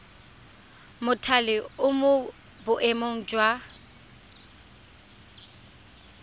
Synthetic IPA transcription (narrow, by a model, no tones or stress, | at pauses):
mʊtʰalɪʊmʊ | bʊʔemoŋ̩d͡ʒwa